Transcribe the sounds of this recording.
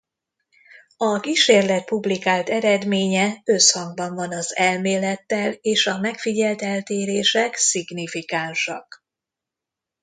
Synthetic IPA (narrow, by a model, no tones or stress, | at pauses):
ɒkiʃeːrlɛt̪̚publikaːlt̪ɛɾɛd̪meːɲɛøshɒŋɡ̚bɒɱvɒnɒzɛlmeːlɛt̪ːɛleːʃɒmɛkfiɟɛlt̪ɛlt̪eːɾeːʃɛksiɡnifikaːnʃɒk